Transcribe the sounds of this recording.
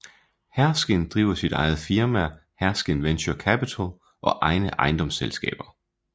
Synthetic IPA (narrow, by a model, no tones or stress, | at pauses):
hæɐsɡ̥end̥ʁḭːʊɐsid̥ɑ̈ɪð̩ˠfiɐmæhæɐsɡ̥enʋenɕokʰæpit͡sʰæl | ʔɒ̽ʔɑ̈ɪnəʔɑ̈ɪnd̥ɒ̽mselsɡ̥ɛ̰ːb̥ɐ